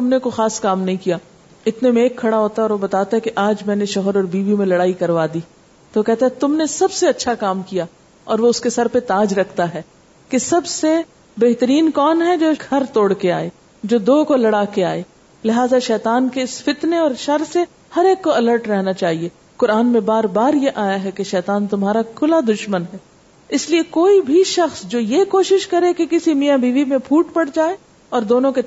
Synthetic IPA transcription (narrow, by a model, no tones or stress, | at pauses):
t̪ʊmnekoxaːskaːmnɐɦĩkija | ɪt̪nemeːkʰːɐɽaɦoːt̪aɔːɾʋobɐt̪aːt̪aɦɛkeʔaːd͡ʒmɛ̃ːneʃɔɦəɾɔːɾbiːʋimẽlɐɽaːikɐɾʋaːd̪iː | t̪okɛɦt̪aɦɛt̪ʊmnesɐbseɐtːʃʰakaːmkija | ɔːɾʋoʊskesɐɾpet̪aːd͡ʒɾɐkʰt̪aɦɛː | kesɐbse | beɦt̪əɾiːnkɔːnɦɛd͡ʒoːɡʱɐɾt̪oːɽkea̰ːeː | d͡ʒoːd̪oːkolɐɽaːkea̰ːeː | lɪɦaːzaʃɛːt̪aːnkeɪsfɪt̪neɔːɾʃɐɾse | hɐɾeːkːoɐləːɾʈɾɛɦnat͡ʃaːɦie | kʊɾaːnmẽbaːɾbaːɾjeʔaːjaɦɛkeʃɛːt̪aːnt̪ʊmɦaːɾakʰʊlad̪ʊʃmənɦɛː | ɪsliekoːibʱiʃɐxsd͡ʒoːjekoːʃɪʃkɐɾekekɪsimijãbiːʋimẽpʰuːʈpɐɽd͡ʒaːe | ɔːɾd̪oːnõke